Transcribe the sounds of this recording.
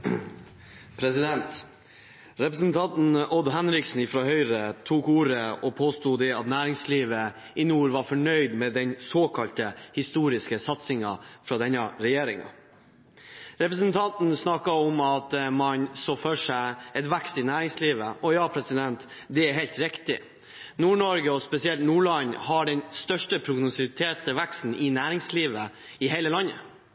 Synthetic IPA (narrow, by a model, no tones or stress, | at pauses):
pʰɾɛsɪd̪ɛnt̪ | ɾɛpɾəsnt̪ʰɑnt̪n̩ɔd̪ɦɛnɾɪksn̩ɪfɾɔɦœʏɾət̪ʰuːkuːɾəɔpʰoːst̪uːd̪ɛɑt̪næːɾɪŋsliːʋə | ɪnuːɾʋɑɾfɔɳœʏd̪mɛd̪ɛnsoːkʰɑlt̪əhɪst̪uːɾɪskəsɑt̪sɪŋɑfɾɑd̪ɛnːɑɾɛjeːɾɪŋɑ̰ | ɾɛpɾəsnt̪ʰɑnt̪n̩snɑkɑɔmɑt̪mɑnsoːføːʂæɪɛt̪ʋækst̪ɪnæːɾɪŋsliːʋəɔjɑːpʰɾɛsɪd̪ɛnt̪ | d̪ɛæɾɦɛɪlt̪ɾɪkt̪ɪ | nuːɳɔɾɡəɔspɛsɪɛlt̪nuːɭɑɲhɑɖɛnst̪œʂʈəpʰɾʊɡnʊsɪt̪ʰeːt̪əʋækst̪n̩ʔɪnæːɾɪŋsliːʋəɪɦæɪləlɑnə̰